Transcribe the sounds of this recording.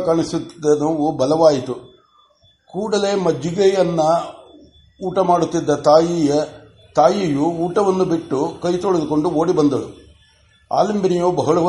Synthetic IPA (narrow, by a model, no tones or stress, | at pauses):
kaɳisut̪ːi̥d̪ːɐnɐʋubɐlɐʋaːjit̪u | kuːɽɐle̞ːmɐd͡ʒiɡɛjɐnːɐ | uːʈɐmaːɽut̪ːid̪ːɐt̪aːjijɐ | t̪aːjijuuːʈɐʋɐnːubiʈːukɐjt̪oːɭid̪uko̞ɳɖuo̞ːɽibɐnd̪ɐlu | a̰ːlimbinijoːbɐɦɐɭɐ